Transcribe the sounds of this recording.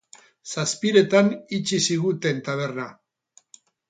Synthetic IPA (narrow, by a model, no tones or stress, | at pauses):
saspiɾe̞t̪anit͡ʃisiɣut̪e̞nt̪aβ̞e̞rna